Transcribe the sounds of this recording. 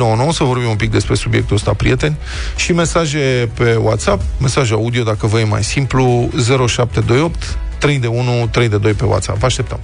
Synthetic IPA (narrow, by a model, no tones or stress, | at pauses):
nowəno̞wəsəvo̞rbimumpik̚d̪e̞spɾe̞subʲije̞k̚t̪uəst̪a̰pɾḭje̞t̪e̞nʲ | ʃime̞saʒe̞pe̞wa̰t̪sapme̞saʒaud̪io̞d̪akəvəjema̰jsimpluze̞ɾo̞ʃap̚t̪e̞d̪o̞jo̞pt̪ː | ɾe̞jd̪e̞unut̪ɾe̞jd̪e̞d̪o̞jpe̞wa̰t̪sa̰paʃt̪e̞p̚t̪əm